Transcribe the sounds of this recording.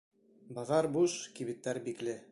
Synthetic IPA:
bɑʁɑɾbuʃkiβit̪ːæɾbiklɘ

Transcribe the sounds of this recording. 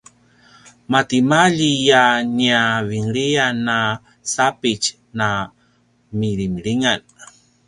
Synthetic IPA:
mat̪imaʎijaniaviŋɭiana | sapit͡ʃ | na | miɾimɭiŋan

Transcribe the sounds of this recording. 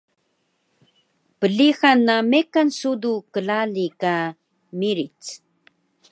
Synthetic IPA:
pəɮixanːamekansudukəɮalika | miɾit͡s

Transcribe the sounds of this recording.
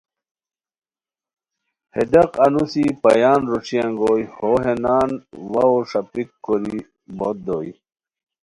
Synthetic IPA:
hḛd̪ɐqɐnusipɐ̰jaːnɾoʈ͡ʂiɐŋɡoːjhoːɦenaːnwɐoʂɐpikːoɾi | bot̪̚d̪oːj

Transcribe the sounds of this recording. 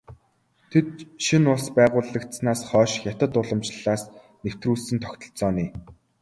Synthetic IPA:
t̪ʰet̪̚ʃinʊɮspæːʁʊːɮə̆kt̪snaːsχœːʃxʲjat̪ə̆t̪ʊɮə̆mt͡ɕɮaːs | new̥t̪ruːɮsɘ̆nt̪ʰɔkʲt̪ɞ̆ɮt͡sɔːniː

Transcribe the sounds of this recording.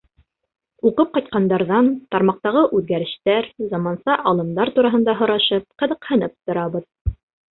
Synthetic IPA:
uqɤp̚qɑjt̪̚qɑnd̪ɑɾðɑnt̪ɑɾmɑq̚t̪ɑʁɤʔʉðɡæɾɘ̆ʃt̪æɾzɑmɑnsɑʔɑlˠɤ̆md̪ɑɾt̪uɾɑɦɤ̆nd̪ɑɦŏɾɑʃɤp̚qɤ̆ðɤ̆qhɤ̆nɤp̚t̪ŏɾɑβɤð

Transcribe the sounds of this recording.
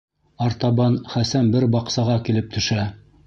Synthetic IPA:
ɑɾt̪ɑβɑnχæsænbɘɾbɑqsɑʁɑkilɘp̚t̪ʰɵ̆ʃæ

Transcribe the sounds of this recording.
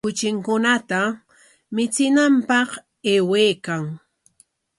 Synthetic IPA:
kʊt͡ʃɪŋkʊnat̪a | mɪt͡sɪnampɑq | eːwejkaŋ

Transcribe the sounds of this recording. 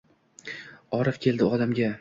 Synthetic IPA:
ɒɾɪfkʲʰe̞ld̪ɪɒd̪amɡʲa

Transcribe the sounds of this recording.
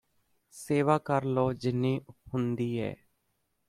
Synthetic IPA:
seːʋaːkəɾloːd͡ʒɪnːiːhʊnd̪iːɦɛ̰ː

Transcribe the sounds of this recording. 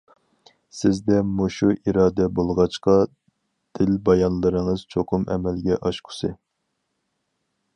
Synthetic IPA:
sɪzd̪ɛmuʃuʔiɾɑːd̪ɛbolˠʁɑt͡ʃqɑ | d̪̥ɪlbɑjɑnlˠɨɾɨŋɨz̥t͡ʃʰoqʰʊmɛ̰mɛlɡʲɛʔɑʃqʰʊ̥sɨ

